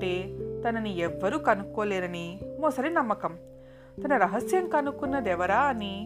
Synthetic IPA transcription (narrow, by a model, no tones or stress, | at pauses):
ʈe̞ːt̪ɐnɐniɛʋːɐɾukɐnukːoːleːɾɐnimɔːsɐɾinɐmːɐkɐm | t̪ɐnɐɾɐɦɐsjɐŋkɐnukunːɐd̪ɛʋɐɾaːɐni